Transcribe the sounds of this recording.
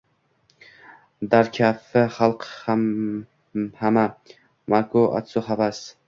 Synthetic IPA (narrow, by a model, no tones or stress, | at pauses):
d̪aɾkʲʰafɪχalˠq | hama | makʰoa̰t̪sʊhavas